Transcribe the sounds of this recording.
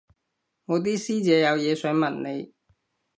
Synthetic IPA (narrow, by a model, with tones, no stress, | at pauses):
ŋɔː˨˧t̪̬iː˥siː˥t͡sɛː˨˧jɐ˨˧wjɛː˨˧sœː˨˥ŋmɐ˨˩nne˨˧j